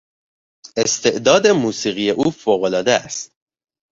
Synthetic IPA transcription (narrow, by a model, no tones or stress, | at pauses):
e̞st̪ʰe̞ʔd̪ɒːd̪e̞muːsiːɣije̞ʔuːfoːɣo̞lɒːd̪eæ̰st̪